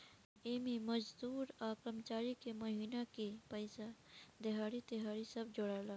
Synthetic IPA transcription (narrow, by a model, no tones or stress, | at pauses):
ememəd͡ʒd̪uːɾakɾəmt͡ʃaɾikeməɦiːnakepəɪsad̪eɦaɾit̪eɦaɾisəbd͡ʒoɽala